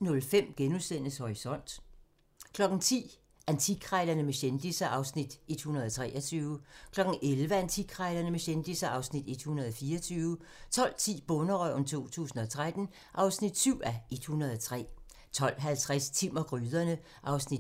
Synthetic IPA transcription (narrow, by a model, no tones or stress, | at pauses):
nɔ̽lfem̰ɡ̥enusen̰əshɒʁisɒ̽n̰d̥ | kʰlɒ̽ɡ̥n̩t͡sʰḭː | ʔænt͡sʰiɡ̥ʰʁɑɪlɐnəmeɕend̥isɐʔɑ̈ʊsnid̥e̝d̥hunɐð̞ˠɒt͡sʰʁɛ̰ːʔɐt͡sʰyːʊkʰlɒ̽ɡ̥n̩ʔelʋəænt͡sʰiɡ̥ʰʁɑɪlɐnəmeɕend̥isɐʔɑ̈ʊsnid̥e̝d̥hunɐð̞ˠɒ̽fiːɐɐt͡sʰyːʊ | t͡sʰɒ̽l̰t͡sʰḭːb̥ɔnɐʁœʊnt͡sʰo̝̰ːt͡sʰṵːsn̩ɒ̽t͡sʰʁad̥n̩ | ʔɑ̈ʊsnid̥syʊ̰æed̥hunɐð̞ˠɒt͡sʰʁɛ̰ː | t͡sʰɒ̽l̰ɦælt͡sʰʁast͡sʰim̰ɐɡ̥ʁyːðˠɐnə | ʔɑ̈ʊsnid̥